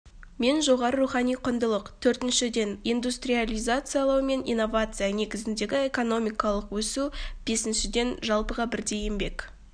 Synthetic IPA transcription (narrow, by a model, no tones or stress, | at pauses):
me̞nʒo̞ʁɑɾəɾuχɑnijqʰʊnd̪əlˠəqt̪ʰɵɾt̪ɪnʃɪd̪e̞nijnd̪ust̪rijalʲijzat̪sɨjalˠɑwme̞nḭnːo̞vat̪sɨjane̞ɡʲɪzɪnd̪e̞ɡʲɪe̞kono̞mijkɑlˠəqwɵsub̥e̞sɪnʃɪd̪e̞nʒɑlˠpəʁɑbɪɾd̪e̞jembe̞k